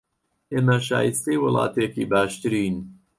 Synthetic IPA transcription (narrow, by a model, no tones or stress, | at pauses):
ʔemɐʃa̰ːjist̪ewɨlɑ̰ːt̪eːkibaːʃt̪ɨɾiːn